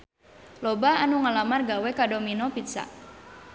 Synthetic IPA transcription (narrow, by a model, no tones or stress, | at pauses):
lɔbaanuŋalamarɡawɛkadominɔpit̪sa̰ʔ